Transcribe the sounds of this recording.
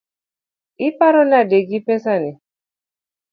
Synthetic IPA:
ipaɾɔnadeɡipɛsani

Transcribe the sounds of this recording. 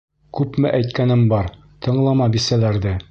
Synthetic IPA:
kʉpmɘ̰ʔæjt̪kænɘmbɒɾ | t̪ɤ̆ɴlˠɑmɑbisælæɾd̪æ

